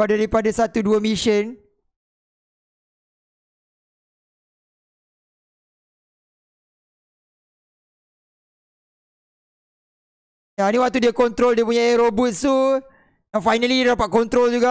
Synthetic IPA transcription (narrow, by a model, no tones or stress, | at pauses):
adaɾipadasat̪uduamiʃən | janiwak̚t̪udiakɔnt̪ɾoldiəpuɲaaɾobut̪̚st̪u | nafajnaliddapaʔ̪̚kɔnt̪ɾold͡ʒuɡa